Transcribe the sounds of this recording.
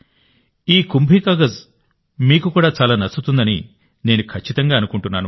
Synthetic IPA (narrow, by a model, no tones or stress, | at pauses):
iːkumbʱiːkaːɡɐz | miːkukuːɽaːt͡ʃaːlaːnɐt͡ʃːut̪und̪ɐnḭ | ne̞ːnukʰɐt͡ʃːit̪ɐŋɡaːɐnukuɳʈunːaːnu